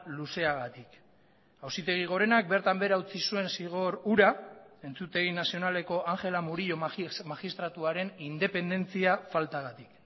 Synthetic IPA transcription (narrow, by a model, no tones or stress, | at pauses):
luse̞aɣat̪ik | awsit̪e̞ɣ̞iɣ̞o̞ɾe̞nak̚be̞ɾt̪ambe̞ɾaut͡sisue̞nsiɣ̞o̞ɾuɾae̞nt͡sut̪e̞ɣinasio̞nale̞ko̞ʔaŋxe̞lamuɾiʎo̞maxist̪ɾat̪uaɾe̞nind̪e̞pe̞nd̪e̞nt͡siafalt̪aɣat̪ik